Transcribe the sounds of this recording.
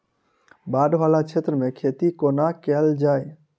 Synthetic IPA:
baːɖʋaːlat͡ʃʰeːt̪ɾəmẽkʰeːt̪ikonakɛld͡ʒaːe

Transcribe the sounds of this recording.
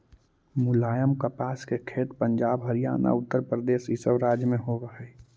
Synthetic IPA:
mʊlaːjəmkəpaːskekʰeːt̪pəɲd͡ʒaːbɦəɾija̰ːna̰ʊt̪ːəɾpɾəd̪eːsɪsəʋɾaːd͡ʒjəmẽɦoʋəɦɛ

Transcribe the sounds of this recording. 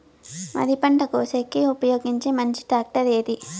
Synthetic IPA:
mɐ̰d̪ipɐɳʈɐkoːsekːiupɐjo̞ːɡiɲt͡ʃeːmɐɲt͡ʃi̥ʈaːk̚ʈɐɾeːd̪i

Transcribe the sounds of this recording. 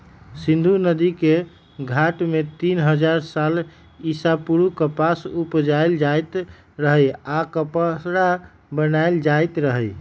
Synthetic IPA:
sĩnd̪ʱunəd̪ike | ɡʱaʈmet̪inɦəd͡ʒaɾsal | isapuɾukəpasupd͡ʒajld͡ʒajt̪ | ɾəɦəjakəpasɾa | bənajld͡ʒajt̪ɾəɦəj

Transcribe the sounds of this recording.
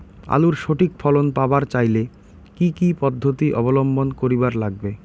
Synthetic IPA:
a̰luɾʃoʈʰikfʰɔlonpabaɾt͡ɕajle | kikipɔd̪ʱːot̪iʔɔbolombonkoɾibaɾlaɡ̚be

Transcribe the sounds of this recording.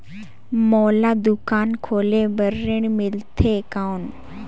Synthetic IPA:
mɔːlad̪ʊkaːnkʰoːlebəɾːeɳmɪlt̪ʰekawn

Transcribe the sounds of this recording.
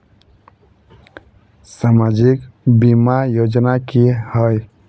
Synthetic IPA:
samad͡ʒikbimajod͡ʒnakihəj

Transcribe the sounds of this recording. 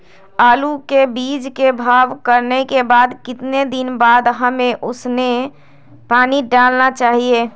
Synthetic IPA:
aːlukebid͡ʒkebʱaːʋkəɾnekebaːd̪kɪt̪ned̪ɪnbaːd̪ɦəmeʔʊsne | paːniɖalnat͡ʃaːɦie

